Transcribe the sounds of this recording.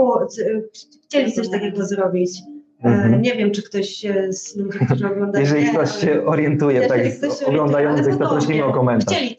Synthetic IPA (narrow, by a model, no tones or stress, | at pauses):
ɔ | xt͡ɕelʲit̪sɔɕt̪akʲɛɡɔzɾɔbʲit͡ɕ | m̩ɲɛvʲjɛmt͡ʂɘkt̪ɔɕzmuɕiʐɛɔɡlɔnd̪jɛʐɛlʲikt̪ɔɕɕɛɔɾʲjɛnt̪ujɛt̪ak̪ɔɔɡlɔnd̪ajɔnt̪sɨxt̪ɔp̪ɾɔɕlʲiməɔkɔmɛnt̪at͡ɕelʲi